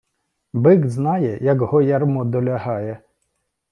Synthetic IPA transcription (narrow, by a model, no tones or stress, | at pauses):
bɪɡznɑjɛjɐkɦɔjɐrmɔd̪ɔlʲɐɦɑjɛ